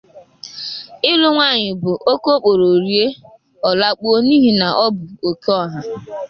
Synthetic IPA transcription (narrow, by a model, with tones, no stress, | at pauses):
ɪ˦lʊ˦ŋʷa˦˨ɲɪ˨bʊ˨ʔo˦ko˦k͡po˨ɾo˨ɾi˦e˦ | ɔ˨la˦k͡po˦o˦ni˦ɦi˦na˨ʔɔ˦bʊ˨o˨ke˦ɔ˦˨ɦa˨